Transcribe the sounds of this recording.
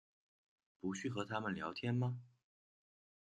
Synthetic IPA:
pu˧˥ɕy˥˩xɤ˧˥t̪ʰa˥mə˨nljɑ˧˥ʊt̪ʰjɛ˥nmɐ˧

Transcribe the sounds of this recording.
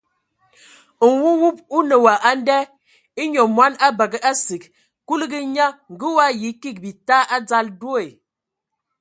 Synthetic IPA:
ŋ̩˨wu˦wu˦p̚u˦nə˨wa˨ʔa˦n˦dɛ˦ | i˦ɲɔ˨mwa˦na˦bə˨ɡə˨ʔa˦si˨k | ku˦lə˦ɡə˦ɲa˦ŋ˨ɡə˦wa˦ji˨˦ki˦˨k̚bi˨ta˦ʔa˦d͡za˦ldwo˦e˨

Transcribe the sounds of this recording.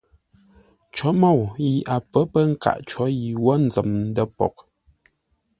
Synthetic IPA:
t͡ʃɔ˨˦mo˦˨wji˨ʔa˨pə˨˦pə˦ŋ̩˦ka̰˨ʔt͡ʃɔ˨˦ji˨wɔ˦n̩˨zə˨mn˦də˦pɔ̰˨k̚

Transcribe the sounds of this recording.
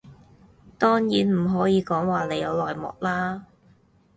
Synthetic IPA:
t̪ɔː˥ŋjiː˨˥nm̩˨˩ɦɔː˨˥jiː˨˧kɔː˨˥ŋwaː˨le˨˧jɐ˨˧wlɔː˨jmɔ̰ː˨k̚laː˥

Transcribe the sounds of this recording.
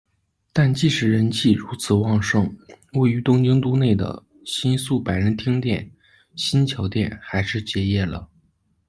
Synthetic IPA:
t̪a˥˧nt͡ɕi˥˩ʂɻ̩˨˩ɻə˧˥nt͡ɕʰi˥˩ɻu˧˥t͡sʰɹ̩˨˩wɑ˥˧ŋʂɤ˥˩ŋ | we˥˩ɪy˧˥t̪ʊ˥ŋt͡ɕi˥ŋt̪u˥ne˥˩ɪd̪ə̰˩ | ɕi˥nsu˥˩pa˨˩ɪɻə˧˥nt̪ʰi˥ŋt̪jɛ˥˩n | ɕi˥nt͡ɕʰjɑ˧˥ʊt̪jɛ˥˩nxa˧˥ɪʂɻ̩˥˩t͡ɕjɛ˧˥jɛ˥˩lə̰˩

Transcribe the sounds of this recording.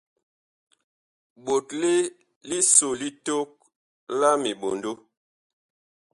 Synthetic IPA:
ɓo˨tle˦ | li˦so˨li˦to˦k̚ | la˦mi˨ɓo˨ndo˦

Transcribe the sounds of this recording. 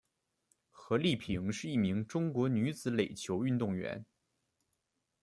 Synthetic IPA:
xɤ˧˥li˥˩pʰi˧˥ŋʂɻ̩˥˧i˥˩mi˧˥ŋʈ͡ʂʊ˥ŋkwɔ˧˥ny˧˥t͡sɹ̩˧˥le˨˩ɪt͡ɕʰjo˧˥ʊy˥˧nt̪ʊ˥˩ŋɥɛ̰˧˥n

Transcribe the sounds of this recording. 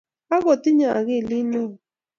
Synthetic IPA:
a˦ɣo˨ti˦ɲa˨a˨ɣe˦˨li˦nɔ˦˨

